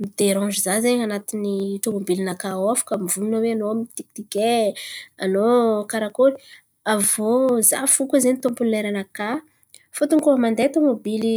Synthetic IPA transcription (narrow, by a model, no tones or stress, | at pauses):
mid̪eɾɔ̃d͡ʒizazeɲanat̪iniʈ͡ʂomobilinakaafḁkəmivulunaweanoamit̪iknike | anokaɾakoɾi | avoza̰fukəzenit̪ompunneɾanaka | fut̪uŋkuɦamand̪et̪omobili